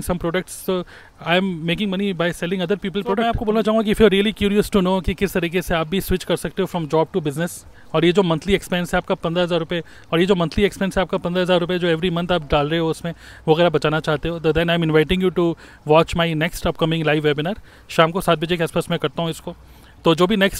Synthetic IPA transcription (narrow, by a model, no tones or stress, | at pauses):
ŋsɐ̃mpɾoːɖək̚ʈstoː | aɪmːeːkɪ̃ŋmɐnibaɪsɛlɪ̃ŋɐd̪əɾpiːp̬əlɾoːɖɛ̃aːpkoboːlnat͡ʃaːɦũŋɡakiɪfjɔɾːiəlikjuːɾiəsʈunoːkikɪst̪ɐɾiːkeseaːp̚bʱisʋɪt͡ʃkɐɾsɐk̚t̪eɦofɾɔ̃md͡ʒɔːb̚ʈubɪznəs | ɔːɾjed͡ʒoːmɐ̃nt̪ʰliekspɛənsɦɛaːpkapɐ̃nd̪ɾaɦɐzaːɾːʊpe | ɔːɾjed͡ʒoːmɐ̃nt̪ʰliekspɛ̃nsɦɛaːp̚kapɐ̃nd̪ɾaɦɐzaːɾʊped͡ʒoːɛʋɾimɐ̃nt̪ʰaːp̚ɖaːlɾɐɦeɦoʊsmẽ | oʋɐɣɛːɾaːbɐt͡ʃaːnat͡ʃaːɦt̪eɦoːd̪ɐd̪ɛ̃naːɪ̃mɪ̃nʋaɪʈɪ̃ŋjuʈu | ʋɔːt͡ʃmaɪnɛksʈɐp̚kɐmɪ̃ŋlaɪʋɛbɪnəɾ | ʃãːmkosaːt̪̚bɐd͡ʒekeaːspaːsmɛ̃kɐɾt̪aɦũɪsko | t̪oːd͡ʒoːbʱinɛksʈ